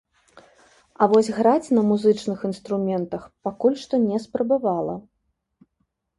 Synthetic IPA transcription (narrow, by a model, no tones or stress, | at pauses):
ɐvɔsʲɣɾat͡sʲnɐmuzɨt͡ʂnɨxinst̪ɾumʲɛnt̪ɐxpakulʲʂt̪ɔnʲɛspɾɐbavalˠɐ̰